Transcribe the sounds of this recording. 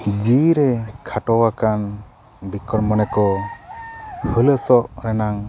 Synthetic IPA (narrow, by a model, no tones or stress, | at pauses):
d͡ʒiɾɛkʰaʈɔwakan | bikɔɾmɔnɛkɔ | hələsɔʔɾɛnaŋ